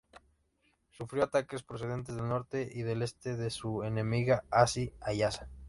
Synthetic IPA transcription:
sufɾjoat̪ake̞spɾos̬e̞ð̞e̞nt̪̬e̞zðe̞lno̞ɾt̪e̞ʔiðe̞le̞st̪e̞ðe̞sue̞ne̞miɣaasiajasa

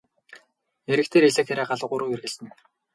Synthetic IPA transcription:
eɾɘ̆kt̪ʰeːɾeɮĕːxeɾaːɢaɮə̆qʊɾŭːwerɣɘ̆ɮsɘ̆n

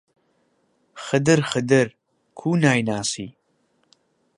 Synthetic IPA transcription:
xəd̪ɨɾxəd̪ɨɾ | kʰuːnaːjnaːsiː

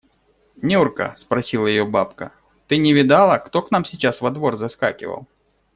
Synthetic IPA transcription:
nʲurkə̰spɾɐsʲilˠəjɪjobapkə̰ | t̪ɨnʲɪvʲɪd̪alˠəkt̪o̞kn̪amsʲɪt͡ɕasvɐd̪vo̞rzɐska̰kʲɪ̰və̰lˠ

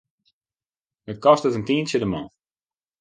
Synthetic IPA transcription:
ət̚kɔstətəntiənsədəmɔ̃ː

